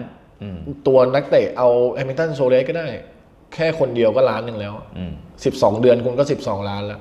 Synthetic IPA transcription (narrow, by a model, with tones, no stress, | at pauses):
t̪u˧ɐna˦˥k̚t̪e˨˩ʔa˧wʔɛː˧mi˧t̪a˥˩nsoː˧leː˦˥kɔː˥˩daː˥˩j | kʰɛː˥˩kʰo˧ndi˧əwkɔː˥˩laː˦˥nːɯ˨˩ŋlɛː˦˥wʔa˨˩si˨˩p̚sɔː˩˦ŋdɯ˧ənkʰu˧nkɔː˥˩si˨˩p̚sɔː˩˦ŋlaː˦˥nla˧˩ʔ